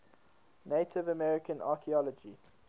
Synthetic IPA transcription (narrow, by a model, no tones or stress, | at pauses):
neɪtʰɪvəmɛɹɪkə̃nɑ̰ːˑkʰiɔlɔd͡ʒi